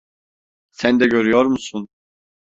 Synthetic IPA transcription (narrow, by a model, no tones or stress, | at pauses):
sænd̪ɛɟøɾyjoɾmusun